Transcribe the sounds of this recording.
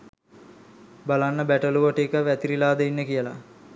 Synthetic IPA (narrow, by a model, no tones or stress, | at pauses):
balanːəbæʈəluʋoʈekəʋæt̪iɾilaːd̪əinːəkijəla̰